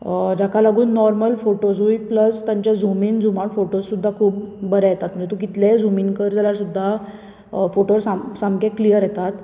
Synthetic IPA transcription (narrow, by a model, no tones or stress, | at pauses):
d͡ʑakʰalaɡuːnːɔɾməlfoʈod͡zujpləst̪jaɲt͡ɕjad͡zʱumiːnd͡zumaʈfoʈosːud̪ʱːakʰuːp̚bəɾɛjet̪at̪məɾit̪ukit̪led͡zumiːnkəɾd͡zaljaɾsud̪ʱːa | foʈoɾsasamkẽklijəɾjɛt̪at̪